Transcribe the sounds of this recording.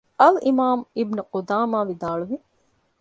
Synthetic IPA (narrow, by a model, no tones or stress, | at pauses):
ɐlimaːmibnuqod̪aːmaːʋid̪aːɭuʋi